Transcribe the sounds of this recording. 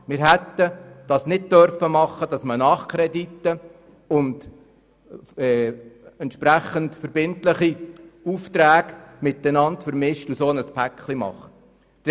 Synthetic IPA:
mɪːɾɦɛt̪ːəd̥ɑːsnɪd̚tœɾfəmɑχːəd̥ɑsmənɑːχkʰɾɛdit̪ːə | ʊnd | ɛːɛntʃpɾæχəntfəɾbɪntləχiuft̪ɾæːɡmɪt̪ːənɑntfəɾmɪʃtusoːnəspʰækχlimɑ̰χt

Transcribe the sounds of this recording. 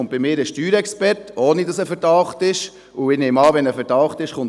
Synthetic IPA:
ʊntb̥ɪmɪːɾəʃtyːɾɛkspɛɾtoːnidɑsəfɛɾdɑʊχtɪʃ | ʊɪːneːmɑːʋɛnəfɛɾtɑwχtɪʃχʊn

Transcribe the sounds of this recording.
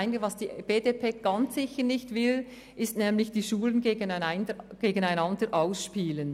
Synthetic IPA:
ɪnɪɡəvɑsd̥iːb̥eːdepʰeːɡ̥ɑnt͡sɪçəʁnɪçtv̥ɪl | ʔɪstnɛːmlɪçd̥iːʃuːlənɡeːɡənəɡ̥eːɡənaɪnɑndəɾʔaʊsʃpiːlən

